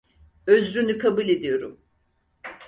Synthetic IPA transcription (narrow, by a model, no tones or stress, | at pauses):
øzɾynykʰabuːlʲe̞d̪ijo̞ɾum